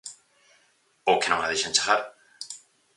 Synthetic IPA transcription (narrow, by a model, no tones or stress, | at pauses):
okenõŋaðeʃaẽnt͡ʃḁɣaɾ